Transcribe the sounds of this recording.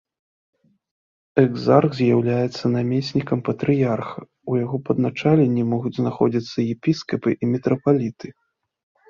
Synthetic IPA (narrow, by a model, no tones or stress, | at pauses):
ɛɡzarɣzʲjawlʲajɛt̪sːɐnamʲesʲnʲikɐmpɐt̪ɾɨjarxɐ | ujaɣɔpɐd̪nat͡ʂalʲenʲːimɔɣud͡zʲznaxɔd͡zʲit̪sːɐjɛpʲiskɐpɨʔimʲɛt̪ɾɐpalʲit̪ɨ